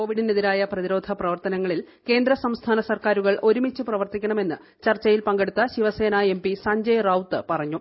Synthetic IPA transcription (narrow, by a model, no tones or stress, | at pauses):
ko̞ːʋiɽiniðiɾaːjɐprɐðiɾo̞ːd̪ʱɐprɐʋɐrt̪ɐnɐŋːɐɭil | ke̞ːnd̪ɾɐsɐmst̪ʰaːnɐsɐrkaːɾuɣɐɭo̞ɾumit͡ɕːɨprɐʋɐrt̪ikʲːɐɳɐme̞nːɨ | t͡ɕɐrt͡ɕːɐjilpɐŋɡe̞ɽut̪ːɐɕiʋɐse̞ːnɐe̞mpisɐɲd͡ʑɐjrɐwt̪ːɨpɐrɐɲːu